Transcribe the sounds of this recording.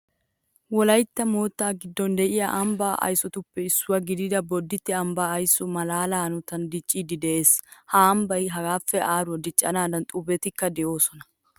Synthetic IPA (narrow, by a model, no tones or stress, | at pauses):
wɔlɐjt̪ːɐmo̞ːt̪ːaːɡɪd̪ːɔnd̪ɛʔɪjɐ̰ʔɐmbaːʔɐ̰jsɔt̪ʊpːɛɪsːʊwɐɡɪd̪ɪd̪ɐbɔd̪ːɪt̪ːɪɐmbaːɐjsʊmɐlaːlaːnʊt̪ɐnd̪ɪt͡ʃʼːiːd̪ɪd̪ɛʔeːshaːɐmbɐjɦɐɡaːfːɛaːɾʊɐd̪ɪt͡ʃʼːɐ̰naːd̪ɐnt̪ʼʊbɛt̪ɪkːɐd̪ɛʔoːsɔnɐ̥